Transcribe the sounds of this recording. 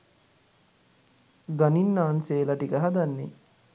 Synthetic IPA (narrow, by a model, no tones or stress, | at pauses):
ɡaninːaːnseːlaʈikəɦad̪anːḛ